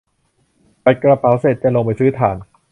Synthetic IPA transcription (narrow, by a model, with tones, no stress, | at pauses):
pa˧jkɾa˧pa˨˩˦wse˨˩t̪̚t͡ɕa˧˩lo˧ŋpa˧jsɯː˦˥t̪ʰaː˩˦n